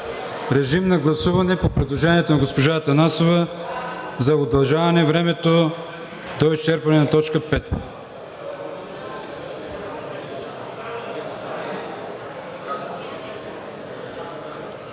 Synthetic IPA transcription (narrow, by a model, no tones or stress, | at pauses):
ɾɛʒimnɐɡlˠɐsuvɐnɛpopɾɛd̪lˠoʒɛniɛt̪onɐɡospoʒat̪ɐnasovɐ | zɐod̪ɐlˠʒavɐnɛvɾɛmɛt̪o | d̪oist͡ʃɛɾpɐnɛnɐt̪ɔt͡ʃkəpɛt̪